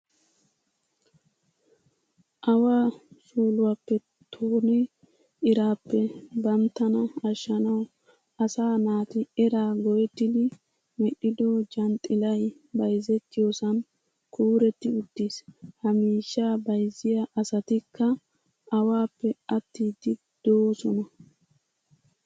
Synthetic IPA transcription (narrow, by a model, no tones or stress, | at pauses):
ʔɐwaːsuːlʊwapːɛ | t̪ʰoːnɪ | ʔɪɾaːpːɛbɐmt̪ːɐnɐɐʃːɐnɐw | ɐsaːnaːt̪ɪɛɾaːɡɔjɛt̪ːɪd̪ɪ | mɛʔɪd̪ɔd͡ʒɐnt̪ʼːɪlɐj | bɐjzɛt̪ːɪjosɐn | kuːɾɛt̪ːɪʊd̪̥ːishɐmiːʃːaːbɐjzːɪjaʔɐsɐt̪ɪkʰːɐ | ʔɐwaːpːɛɐt̪ːiːd̪ɪ | d̪̥oːsɔnɐ